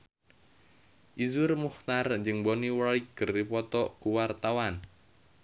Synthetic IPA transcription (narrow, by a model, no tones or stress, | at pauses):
ʔizʊrmuht̪arɲd͡ʒɨŋboniwaliɡ̥əripɔt̪ɔʔkuwart̪awan